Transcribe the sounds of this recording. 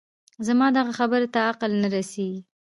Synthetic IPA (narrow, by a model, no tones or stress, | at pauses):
zamɑd̪aɣaxabəɾat̪aaqəlnaɾaseɡi